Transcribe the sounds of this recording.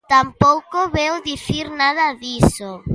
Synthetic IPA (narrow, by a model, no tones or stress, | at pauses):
t̪ampowkoβewðiθiɾnað̞ɐðiso